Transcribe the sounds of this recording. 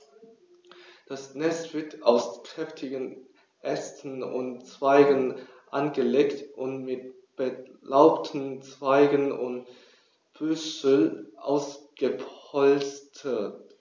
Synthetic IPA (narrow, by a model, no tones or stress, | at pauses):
d̥asnɛstv̥ɪɐtʰaʊskʁ̥ɛftʰɪɡən | ʔɛstʰn̩ʊ̰ntt͡sv̥aɪɡən | ʔanɡəleːktʔʊntmɪt̚ | b̥əlaʊptʰn̩t͡sv̥aɪɡənʊ̰nt | b̥ʏsəlʔa̰ʊsɡ̥əpɔlt͡stʰət